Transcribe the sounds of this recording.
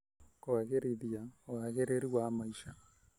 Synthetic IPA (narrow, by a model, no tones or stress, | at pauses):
koaɣeɾiðjaoaɣeɾeɾiwamaiʃa